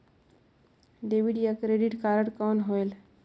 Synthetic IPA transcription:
ɖeʋiɖijəkɾeɖiʈkaɾəɽkənɦoel

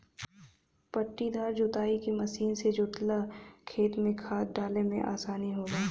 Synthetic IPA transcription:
pɐʈːid̪ʱaːɾd͡ʒʊt̪aːikimɐsiːnsed͡ʒʊʈlakʰeːt̪mẽkʰaːt̪̚ɖaːlemḛ̃ʔa̰ːsaːniɦoːɡaː

